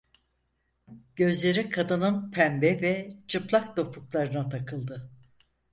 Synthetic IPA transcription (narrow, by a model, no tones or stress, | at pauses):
ɟ̥ø̞zlʲe̞ɾikʰad̪ɯnɯnpʰæmbɛvɛt͡ʃʰɯplˠak̚d̪o̞pʰuklˠaɾɯnat̪ʰakʰɯlˠd̪ɯ